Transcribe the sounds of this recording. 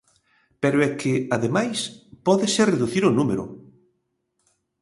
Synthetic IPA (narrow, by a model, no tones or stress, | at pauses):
peɾoɛkʰɪaðemajspɔðɪsereðuθiɾonumeɾʊ̰